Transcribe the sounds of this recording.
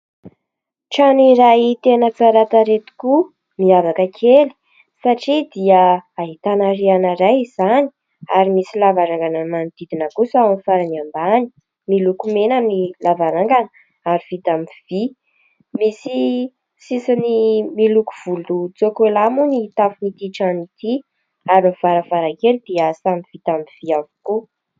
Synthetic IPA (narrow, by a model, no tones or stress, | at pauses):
ʈ͡ʂaniɾajit̪enət͡saɾat̪aɾet̪u̥ku | miavakəkʰeli̥ | saʈ͡ʂid̪iəaɦit̪anaɾianəɾajz̥ani̥ | aɾimisilavaɾaŋɡanəmand̪̥id̪inəkusawanifaɾaniambani̥ | milukumenanilavaɾaŋɡanə | aɾiv̥it̪amiv̥i | misi | sisanimilukuv̥ulut͡sokelamunit̪afunit̪iʈ͡ʂanit̪i | aɾiv̥aɾəv̥aɾakelid̪̥iəasamiv̥it̪amiv̥iavu̥ku